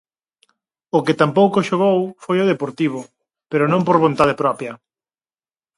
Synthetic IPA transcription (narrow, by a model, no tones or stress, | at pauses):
ʊkɪt̪ampowkoʃoɣ̞owfojoðepoɾt̪iβ̞ʊ | peɾʊnõmpoɾβont̪að̞epɾɔpjɐ